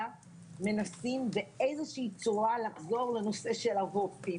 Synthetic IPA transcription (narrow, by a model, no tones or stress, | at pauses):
a | me̞nasimbeejzeʃiit͡suʁalaχzo̞ʁle̞no̞se̞ʃe̞lavofi